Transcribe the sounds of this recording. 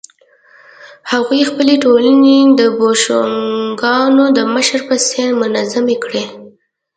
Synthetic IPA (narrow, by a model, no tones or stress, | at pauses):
haɣujxpəleʈolaned̪əboʃoŋɡɑnod̪əməʃəɾpəseɾmʊnazamekɽe